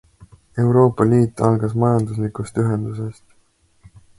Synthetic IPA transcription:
e̞wɾo̞ːpːˑɑliːt̪ːˑɑlɡ̥ɑsmɑjɑnd̪̥uslikˑust̪yɦend̪̥use̞st̪

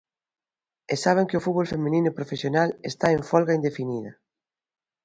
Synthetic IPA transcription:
esaβ̞eŋkeʊfut̪̚βolfemĩninʊepɾofesjonalest̪aeɱfɔlɣaind̪efiniðɐ

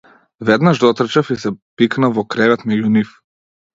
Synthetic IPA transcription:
vɛd̪naʒd̪ɔt̪r̩t͡ʃafisɛpiknavɔkɾɛvɛt̪mɛɟunif

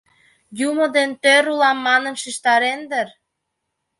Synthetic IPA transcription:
jumod̪ent̪øɾulɑmːɑnə̆mʃiʃt̪ɑɾend̪əɾ

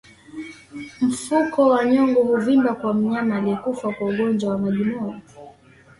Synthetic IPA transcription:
m̩fukɔwaɲɔŋɡɔhuvimbakwam̩ɲamaːliɛkufakwauɠɔnd͡ʒwawamaʄimɔjɔ

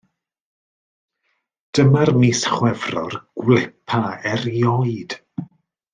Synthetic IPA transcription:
d̥əmarmisχwɛvrɔ̰rɡ̥wlɪpʰaɛrjɔɨd̥

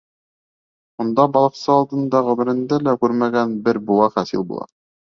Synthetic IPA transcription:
und̪ɑbɑlˠɤ̆qsɤɑlˠd̪ɤ̆nd̪ɑʁɵ̆mɘ̆ɾɘ̆nd̪ælækʉɾmæɡænbɘɾbulˠɑχæsḭlʲbṵlˠɑ̰

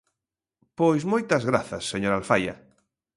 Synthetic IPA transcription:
pojzmojt̪azɣɾaθɐsːeɲoɾalfaja̰

